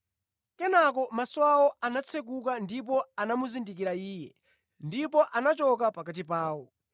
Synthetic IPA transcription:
kɛnak̬ɔmaswaɔanat͡sʰɛk̬ukandip̬ɔanamuzindikiɾaiːjɛ | ndip̬ɔʔanat͡ʃɔkapakat̬ipaːwɔ

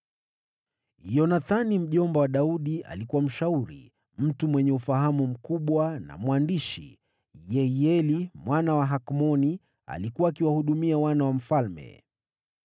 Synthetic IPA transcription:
jɔnaθanim̩ʄɔmbɔwaɗauɗia̰likuwam̩ʃauɾḭ | m̩tumwɛɲɛufaɦamum̩kuɓwana̰mwandiʃḭ | jɛjɛlimwʔanawaɦakmɔni | a̰likuwaːkiwahuɗumiawanawam̩falmɛ̰

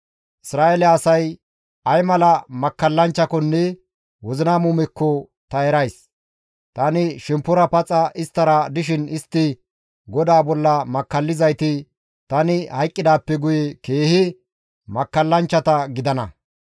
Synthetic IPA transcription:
ʔɪsɾaːʔɛlɛɐsɐj | ɐjmɐlɐmɐkːɐlːɐnt͡ʃːɐkɔnːɛ | wɔzɪnamʊmɛkːɔ | t̪ɐɛɾɐjs | t̪ɐnɪʃɛmpːʊɾɐpɐt͡sʼɐʔɪst̪ːɐɾɐd̪ɪʃ̬ɪnɪst̪ːɪ | ɡɔd̪aːbɔlːɐmɐkːɐlːɪzɐjt̪ɪ | t̪ɐnɪhɐjkʼːɪd̪aːpːɛɡʊjɛke̞ːhɪ | mɐkːɐlːɐnt͡ʃːɐt̪ɐɡɪd̪ɐnɐ

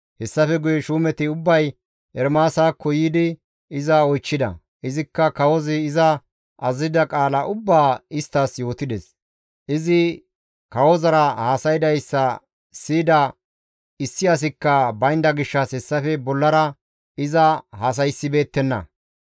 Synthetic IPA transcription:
hɛsːɐfɛɡʊjɛʃuːmɛt̪ɪʊbːɐj | ɛɾmaːsaːkːɔjiːd̪ɪ | ɪzɐɔjt͡ʃːɪd̪ɐ̰ | ʔɪzɪkːɐkɐwɔzɪɪzɐ | ʔɐzɪd̪ɐkʼaːlɐʔʊbːaːɪst̪ːɐsjo̞ːt̪ɪd̪ɛs | ʔɪzɪ | kɐwɔzɐɾɐhaːsɐjd̪ɐjsːɐ | siːd̪ɐ | ɪsːɪɐs̬ɪkːɐbɐjnd̪ɐɡɪʃːɐshɛsːɐfɛbɔlːɐɾɐ | ɪzɐhaːs̬ɐjsːɪbe̞ːt̪ːɛnːɐ̰

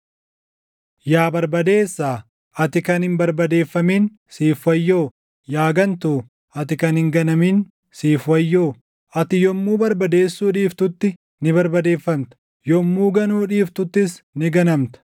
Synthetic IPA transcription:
jaːbɐɾbɐd̪e̞ːsːaː | ɐt̪ɪkɐnhɪnbɐɾbɐd̪e̞ːfːɐmiːn | siːfwɐjːoː | jaːɡɐnt̪uː | ɐt̪ɪkɐnhɪŋɡɐnɐmiːn | siːfwɐjːoː | ɐt̪ɪjɔmːuːbɐɾbɐd̪e̞ːsːuːᶑiːft̪ʊt̪ːɪ | nɪbɐɾbɐd̪e̞ːfːɐmt̪ɐ̥ | jɔmːuːɡɐnuːᶑiːft̪ʊt̪ːɪsnɪɡɐnɐmt̪ɐ̥

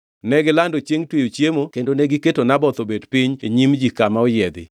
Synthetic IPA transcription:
nɛɡɪlandot͡ʃeŋtwejot͡ʃjemokendoneɡɪketonabɔt̪obedpiɲeɲimd͡ʒikamaɔjɪɛd̪ɪ̰

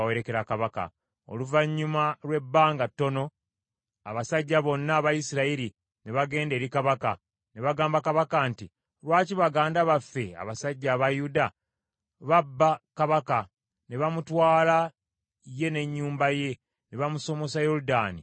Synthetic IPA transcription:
we̞ɾe̞ke̞ɾakaβaka̰ | o̞̰luvaɲːumalwe̞bːaːŋɡatːo̞no̞ | a̰βasaɟːaβo̞nːaːβajisiɾaiɾi | neβaɡe̞ːnde̞ːɾikaβaka̰ | ne̞βaɡaːmbakaβakanti | ɾwaːciβaɡaːndaβafːe̞a̰βasaɟːaːβajuda | βabːakaβaka | ne̞βamutwaːla | je̞ne̞ɲːuːmbaje̞ | neβamuso̞mo̞sajo̞ɾudaːnḭ

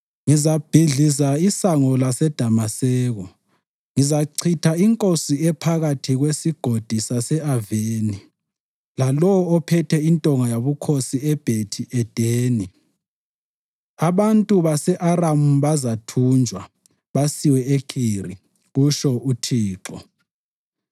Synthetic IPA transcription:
ŋizab̥ʱiɮizaisaŋɔlasɛd̥ʱamasɛːɣɔ | ŋizaǀʰitʰaiŋkʼosiɛpʰaɣatʰiɣwesiɡ̥ʱod̥ʱisasɛaveːni | lalɔwɔɔpʰɛtʰɛintʼɔŋajaβukʰosiɛb̥ʱetʰiʔɛd̥ʱeːni | aβantʼuβasɛʔaramuβazatʰund͡ʒʱwa | βasiwɛekʰirḭ | ɣuʃɔutʰiːǁɔ

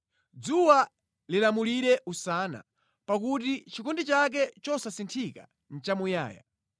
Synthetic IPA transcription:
d͡zuwa | lilamuliɾɛʔusaːna̰ | pakutit͡ʃikɔndit͡ʃak̬ɛt͡ʃɔsasintʰika̰ | n̩t͡ʃamuja̰ːja̰

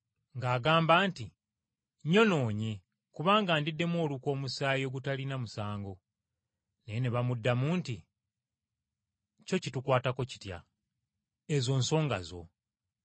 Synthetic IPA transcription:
ŋɡaːɡaːmbaːnti | ɲo̞no̞ːɲe̞ | kuβaːŋɡaːndidːe̞mwo̞ːluko̞ːmusaːjo̞ːɡutalinamusaːŋɡo̞ | ne̞jeneβamudːamuːnti | co̞citukwaːtako̞ci̥tja̰ | ezo̞ːnso̞ːŋɡa̰zo̞̰

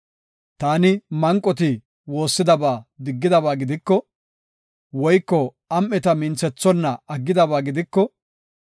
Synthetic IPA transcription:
t̪aːnɪmɐŋkʼːɔt̪̬ɪ | wo̞ːsːɪd̪ɐbaːd̪ɪɡːɪd̪ɐbaːɡɪd̪ɪkːɔ | wɔjkːɔ | ɐmʔːɛt̪ɐmɪnt͡sɛt͡sːɔnːɐɐɡːɪd̪ɐbaːɡɪd̪ɪkːɔ

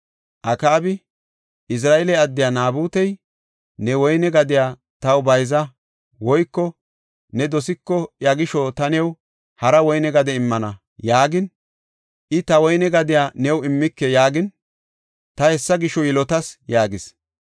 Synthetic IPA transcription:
ʔɐkaːbɪ | ʔɪs̬ɾaːɛlɛɐd̪ːɪjaːnaːbuːt̪ɛj | nɛwɔjnɛɡɐd̪ɪjaː | t̪ɐwbɐjzɐ | wɔjkːɔ | nɛd̪ɔsɪkːɔjɐɡɪʃɔt̪ɐnɛw | hɐɾɐwɔjnɛɡɐd̪ɛɪmːɐnɐ | jaːɡɪn | ʔɪt̪ɐwɔjnɛɡɐd̪ɪjaːnɛwɪmːɪkːɛjaːɡɪn | t̪ɐhɛsːɐɡɪʃɔjɪlɔt̪ɐsjaːɡɪs

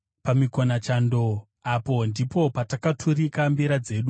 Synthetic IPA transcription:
pamikonat͡ʃando̞ | apo̞ndipo̞patakatʰuɾikambiɾad͡ze̞ːɗu

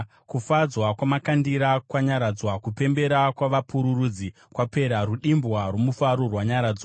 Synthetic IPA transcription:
kufad͡zwakwamakandiɾakwaɲaɾad͡zwakupe̞mbe̞ɾakwaʋapʰuɾuruːd͡zi | kwape̞ɾaruɗimbwarwomufaɾorwaɲaɾaːd͡zwa

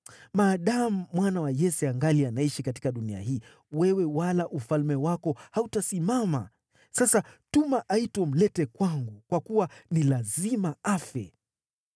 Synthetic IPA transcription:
maːɗam̩ːwanawajɛsɛaŋɡalianaiʃikati̥kaɗunia̰hiː | wɛwɛwalaʔufalmɛwakɔhautasimama̰ | sasatumaʔaitwɔm̩lɛtɛkwaŋɡukwakuwanilazimaafɛ

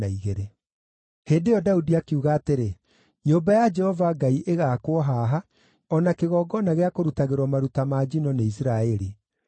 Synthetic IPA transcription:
aiɣeɾe | heːndejɔdaudiakeuɣaːteɾe | ɲoːbajad͡ʒɛhɔvaŋɡaiʔeɣakwɔɦaɦa | ɔnakeɣɔːɡɔnaɣeakoɾutaɣeɾwɔmaɾutamad͡ʒinɔneis̬iɾaɛɾi

